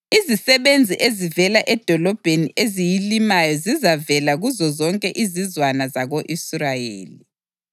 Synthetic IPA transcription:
izisɛβend͡zʱiʔezivɛlaʔɛd̥ʱɔlɔb̥ʱeniʔezijilimajɔzizavɛlaɣuzɔzɔŋkʼɛʔizizwanazaɣoʔisrajḛːli

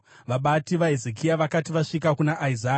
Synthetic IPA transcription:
ʋaɓatiʋaɦezekʰijaʋakatiʋaʂikakunaʔaizaː

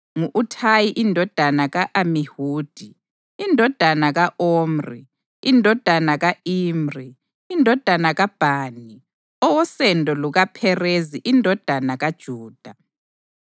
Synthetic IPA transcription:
ŋuʔutʰajiʔindʱɔd̥ʱanaɣaʔamihuːd̥ʱi | indʱɔd̥ʱanaɣaʔoːmrḭ | indʱɔd̥ʱanaɣaiːmri | indʱɔd̥ʱanaɣab̥ʱaːni | ɔwɔsɛndʱɔluɣapʰɛreziʔindʱɔd̥ʱanaɣad̥ʒ̥ʱuːd̥ʱa

